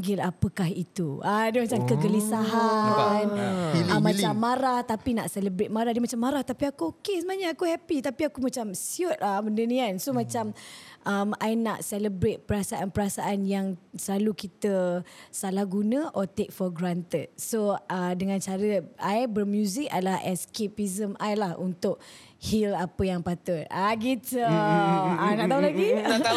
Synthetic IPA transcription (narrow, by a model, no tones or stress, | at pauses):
ɡɪlapəkahit̪uadəmat͡ʃamkəkəlisaɦanəmːãt͡ʃamːaɾaht̪apina̰ʔsɛləbɾet̪̚maɾahdiəmat͡ʃamːaɾaht̪apiakuokesəmaaɲaakuhɛpit̪apiakumat͡ʃamsiʊt̪̚aməndəniansomãt͡ʃamʔəmajna̰ʔsɛləbɾet̪̚pəɾasaʔanpəɾasaʔanjaŋsəlalukit̪əsalahɡunə̃ʔɔt̪ek̚fɔɡɾant̪əd̪̚soədəŋãnt͡ʃaɾəajbərmjuzɪka̰dəlahɛskepizəmʔajlahṵnt̪ʊʔ̚ | hilapəjaŋpat̪ʊt̪̚aɡit̪ə | anaʔt̪aulaɡi